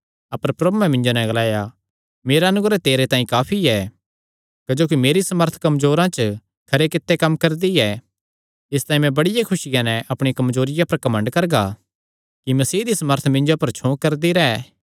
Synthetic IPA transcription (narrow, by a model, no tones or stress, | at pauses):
ɐpəɾpɾɐbumɛ̃mɪ̃nd͡ʒonɛɡɐlaːja | meːɾaɐnʊɡɾɛt̪eːɾet̪ãːĩkaːpʰiɛ | kɐd͡ʒoːk̬imeːɾisɐməɾt̪ʰkɐmzoːɾãt͡ʃə | kʰɐɾekɪt̪ːekɐmkɐɾd̪iɛ | ɪst̪aːĩmɛ̃bɐɽɪjakʰʊsɪjãnɛʔɐpɽ̃ikɐmzoːɾɪjãpɐɾkɐmə̃ɳɖkɐɾɡa | kimɐsiːd̪isɐməɾt̪ʰmɪ̃nd͡ʒopɐɾt͡ʃʰõːkɐɾd̪iɾɛ